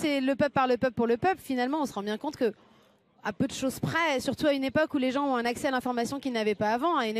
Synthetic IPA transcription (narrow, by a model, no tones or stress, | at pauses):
sɛləpœplpaʁləpœpləpuʁləpœplfinalmɑ̃ɔ̃səʁɑ̃bjɛ̃kɔ̃t̪kə | apød̪əʃozpχɛsyʁt̪uaynepɔkuleʒɑ̃ɔ̃ɛ̃naksɛalɛ̃fɔʁmasjɔ̃kʲilnavɛpaːvɑ̃ayn